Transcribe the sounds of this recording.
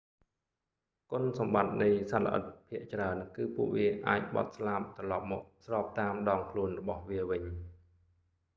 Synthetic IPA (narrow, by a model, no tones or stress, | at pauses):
kŏənsɑmɓat̪̚nɨjsalə̰̆ʔə̰t̪̚pʰiəʔt͡ɕraənkɨːpuəʔʋiəʔa̰ːc̚ɓɑ̰t̪̚slap̚t̪rɑlɑp̚mɔːk̚srɑːp̚t̪aːmɗɑːŋkʰluənrɔɓɑhʋiəʋɨɲ